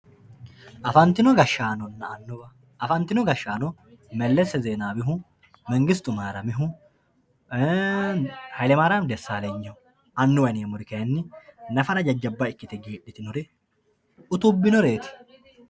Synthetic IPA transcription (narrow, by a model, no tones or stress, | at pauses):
ʔɐfɐnt̪ɪnɔɡɐʃːaːnɔnːɐɐnːʊbɐ | ʔɐfɐnt̪ɪnɔɡɐʃːaːnɔ | mɛlːɛsːɛzeːnaːbɪɦʊ | mɛŋɡɪst̪ʊmaːɾɐmɪɦʊ | hɐjlɛmaːɾɐmd̪ɛsːaːleɲːɔ | ɐnːʊwɐneːmʊɾɪkɐɐnːɪnɐfɐɾɐd͡ʒɐd͡ʒːɐbːaɪkːɪt̪ɛɡeːᶑɪt̪ɪnɔɾɛ | ʊt̪ʊbːɪnɔɾe̞ːt̪ɪ̥